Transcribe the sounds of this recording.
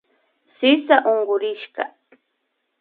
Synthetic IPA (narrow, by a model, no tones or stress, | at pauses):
sɪsaʔoɴɢʊɾɪʃka̰